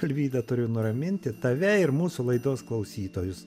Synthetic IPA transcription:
ɐlʲʋʲiːd̪ɐt̪ʊɾʲʊnʊɾɐmʲɪnʲt̪ʲɪt̪ɐʋʲɛɪɾmuːsʊlˠɐɪd̪oːsklˠɐʊsʲiːt̪oːjʊs

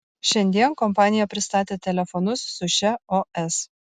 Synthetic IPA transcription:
ʃʲɛnʲd̪ʲiɛnkɔmpɑːnʲɪjɛpʲɾʲɪst̪ɑːt̪ʲeːt̪ʲɛlʲɛfɔnʊsːʊʃʲɛoɛs

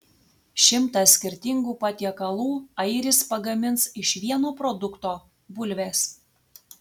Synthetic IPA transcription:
ʃʲɪmt̪ɑsʲkʲɪɾʲt̪ʲɪŋɡuːpɑt̪ʲiɛkɐlˠuːɐɪɾʲɪspɐɡɐmʲɪnsɪʃʋʲiɛnoːpɾɔd̪ʊkt̪oː | bʊlʲʋʲeːs

